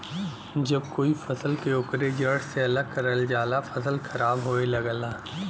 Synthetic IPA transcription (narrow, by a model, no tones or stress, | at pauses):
d͡ʒɐb̚koːifɐsəlkeʊkɾed͡ʒɐɽ̤seɐləɡ̚kɐɾəld͡ʒaːlafɐsəlxɐɾaːbɦoːelɐɡlaː